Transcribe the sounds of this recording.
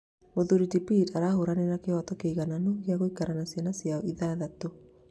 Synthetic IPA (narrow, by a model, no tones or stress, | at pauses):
oðuɾitipitaɾahoɾaneɾakewatɔkeiɣananoɣjaɣoikaɾanasjanasjaiðaðato